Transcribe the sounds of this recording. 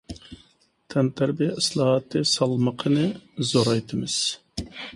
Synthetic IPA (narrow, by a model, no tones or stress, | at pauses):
t̪ʰɛnt̪ʰæɾbijɛislˠɑːɦɑt̪ʰːɨsɑlˠməqʰənɨzoɾɑjt̪ʰɨmɨz̥